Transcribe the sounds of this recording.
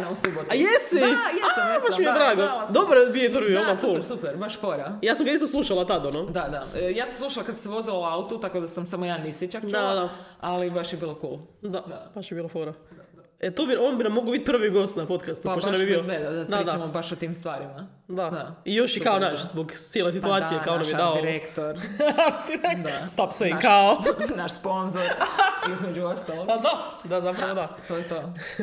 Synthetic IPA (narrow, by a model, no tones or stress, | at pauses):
nausubot̪ajesijasamebaʃmijed̪ɾaːɡod̪obɾobiet̪oɾbiomasuɾsupeɾbaʃfoɾajaːsamɡaist̪oslˠuʃalˠat̪ad̪onod̪ad̪ajaːsamsluʃalˠakad̪smseʋo̞zilauaut̪ut̪akod̪asamsamojaːnisjet͡ɕakt͡ʃ̪aad̪aalibaʃjebiːlˠokuːld̪ad̪ab̥aʃjebiːlofoɾa | et̪obionbinamːoɡobit̪̚ʲpr̩ʋiɡost̪napot̪kast̪upaotb̪oneiiioʋed̪ad̪ad̪aiːd̪aamobaʃot̪iːmst̪ʋaːɾima | d̪ad̪aijoʃikaonaːʃzboɡt̪selesit̪uaːt̪sijekaonabid̪aoiɾekt̪oɾd̪iɾekd̪ast̪apsekaonaʃsponzoɾizmed͡ʒuost̪alˠoɡad̪ad̪azapɾaʋod̪at̪ojet̪o